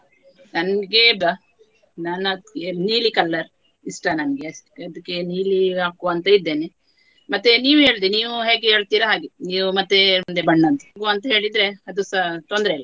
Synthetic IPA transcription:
nɐnɡe̞bɐ | naːnɐkeniːlikɐlːɐɾ | isʈɐnɐnɡeɐd̪ɐkːe̞niːliaːkuɐnt̪ɐid̪ːeːne | mɐt̪ːeniːʋuɦe̞ːɭd̪iniːʋuɦeːɡeɦeːɭt̪iːɾɐɦaːɡeniːʋumɐt̪ːemund̪ebɐɳːɐnt̪ɐ̥ɡuɐnt̪ɐɦeːɭid̪ɾe̞ɐd̪usɐt̪ond̪ɾeilːɐ

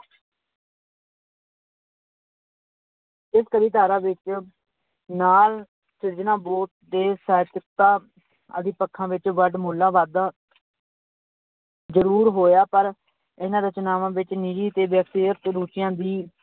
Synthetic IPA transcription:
ɪskəɾiːt̪aːɾaːʋɪt͡ʃ | naːl | sɪɾd͡ʒnãːboːʈ̚d̪eːsɛːt̪ɪkt̪ãː | ə̰d̪ɪːpəkʰːãːʋɪt͡ʃʋəɖmoːlãːʋaːd̪aː | zəɾuːɾɦoːjaːpəɾ | ɪnãːd̪aːt͡ʃənaːʋãːʋɪt͡ʃnid͡ʒiːt̪eːʋɛːksijət̪ɾuːt͡ʃɪjãːd̪iː

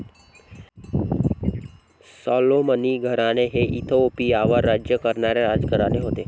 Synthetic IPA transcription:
sɔloməniɡʱəɾaneɦeʔit̪ʰoopiaʋaɾːad͡ʒjəkəɾnaɾeɾad͡ʒɡʱəɾaneɦoːt̪e

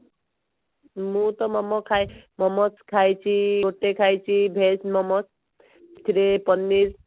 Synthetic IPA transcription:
mũt̪ɔmɔmɔkʰajmɔmɔt͡skʰajt͡ʃʰioʈːekʰajt͡ʃʰibʱesmɔmɔt͡s | t̪ʰiɾepɔnːiɾ

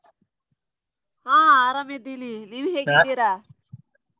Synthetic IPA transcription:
hãːaːɾamed̪iliniʋiɦeːɡid̪iɾa

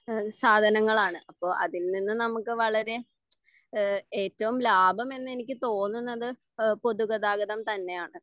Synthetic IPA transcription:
saːd̪ʱɐnɐŋːɐɭaːɳɨʔɐpːo̞ːʔɐ̰ðilninːɨnɐmukːɨʋɐɭɐɾe̞ | eːtːɐʋumlaːbʱɐme̞nːe̞nikʲːɨt̪o̞ːnːunːɐðɨ | po̞ðuɣɐðaːɣɐðɐmt̪ɐnːe̞jaːɳɨ

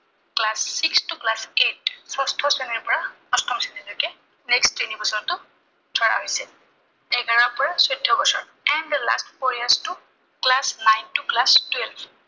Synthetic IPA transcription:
klasːikstʊklasetsɔstʰɔsɛniɹpɔɹa | ɔstʰɔmsinilɔkɛ | nɛkstinibɔsɔntʊ | dʰʱɔɹa̰ɦojsɛ | ɛɡaɹapɔɹasɔjdʱːɔɡɔsɔ̰ɹ | ɛnd̪la̰stpʰɔɹjastu | klasnajntuklastwelbʰ

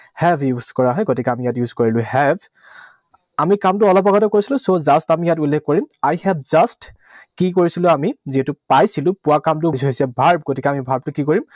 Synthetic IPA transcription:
hɛbjuzkɔɹaɦɔjɡotikɛamijatjuzkoɹilʊ̃hɛb | amikamtʊɔlɔpaɡatɔkoɹisilʊ̃sozastamijat̬ulːekʰkoɹimajhɛbzast | kikoɹisilʊ̃amiziɦɛtʊpajsilʊ̃pʊwakamtʊsɦojsɛbʱaɹb̚ɡotikɛamibʱaɹb̚tʊkikoɹim

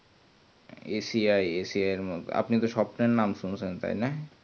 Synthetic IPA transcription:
esiajesiajeɾmo̰a̰pnit̪oʃɔpneɾnamʃunt͡ɕʰent̪a̰jna

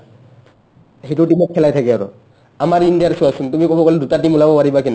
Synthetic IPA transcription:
ɦiʈuʈimɔkkʰːɛlajt̪ʰakɛaɾo̰ | amaɾinɖijaɾsuasunt̪umikɔbɔkɔled̪ut̪aʈimulabɔpaɾibakina

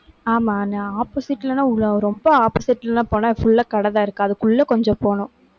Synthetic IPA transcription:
aːmaːnãːaːposɪʈːlɐnãːʊɭːɾɔmbɐaːposɪʈːlɐnãːpoːnãːfʊɭːɐkɐɽɐðãːɪɾɯkːɯɐðɯkːʊɭːɐkɔɲd͡ʒɔ̃poːnʊ̃

